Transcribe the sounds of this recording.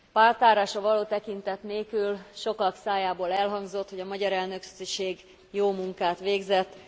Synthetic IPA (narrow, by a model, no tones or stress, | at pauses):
paːrt̪aːɾaːʃɒvɒloːt̪ɛkint̪ɛt̪neːkylʃo̞kɒksaːjaːboːlɛlɦɒŋɡzo̞t̪ho̞ɟɒmɒɟɒɾɛlnø̞kyʃeːɡ | joːmuŋkaːt̪ʋeːɡzɛt̪ː